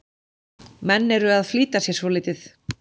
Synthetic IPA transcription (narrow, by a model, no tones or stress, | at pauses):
mɛnːɛɾʏaðfliːt̪asjɛ̥svɔliːt̪ɪθ